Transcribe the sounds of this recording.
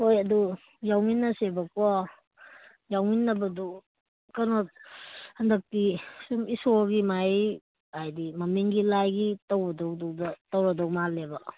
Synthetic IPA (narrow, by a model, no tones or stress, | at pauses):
hojɐdu | jawminːɐsebɐkɔ | jawminːɐbɐdu | kanɔ | hɐndɐk̚tisumisoɡimaj | ajdimɐmiŋɡilajɡitɐwbɐdɔwdɔwdɐtɐwɾadɔwmalebɐ